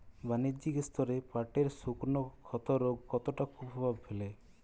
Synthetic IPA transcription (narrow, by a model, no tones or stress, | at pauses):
banid͡ʒikest̪ɔɾepaɾʈeɾsukuɾnɔkʰɔt̪ɔɾoɡkɔt̪oʈakʰubʱɔbʱabfele